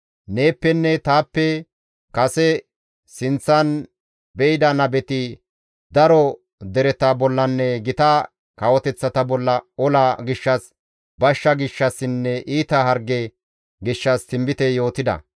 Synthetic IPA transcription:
ne̞ːpːɛnːɛt̪aːpːɛ | kɐsɛ | sɪnt͡sːɐn | bɛɪd̪ɐnɐbɛt̪ɪ | d̪ɐɾɔ | d̪ɛɾɛt̪abɔlːɐnːɛɡɪt̪ɐ | kɐwɔt̪ɛt͡sːɐt̪ɐbɔlːɐɔlaɡɪʃːɐs | bɐʃːɐɡɪʃːɐsɪnːɛʔiːt̪ɐɦɐɾɡɛ | ɡɪʃːɐst̪ɪmbɪt̪ɛjo̞ːt̪ɪd̪ɐ̰

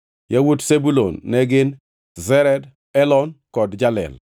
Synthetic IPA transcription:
jawutsebulonːɛɡɪn | zɛɾɛd | ɛlɔnkɔdd͡ʒalɛ̰l

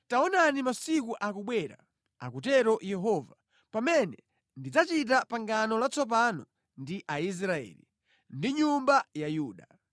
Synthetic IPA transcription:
taɔnanimasikuʔakuɓwɛɾa̰ | a̰kutɛɾɔjɛɦɔːva | pamɛnɛ | ndid͡zat͡ʃit̬apaŋɡanɔlat͡sɔp̬anɔ | ndiʔais̬ɾaɛ̰ːlḭ | ndiɲumbajajuːɗa

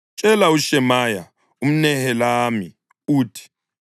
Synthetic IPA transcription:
t͡ʃʼɛlauʃɛmaja̰ | um̩nɛhɛlami | uːtʰi̥

